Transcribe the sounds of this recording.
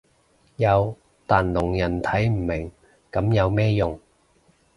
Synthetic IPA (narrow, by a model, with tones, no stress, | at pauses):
jɐ˨˧w | t̪aː˨nlʊ˨˩ŋjɐ˨˩nt̪ʰɐ˨˥jm̩˨˩mɪ˨˩ŋ | kɐ˨˥mjɐ˨˧wmɛː˥jʊ˨ŋ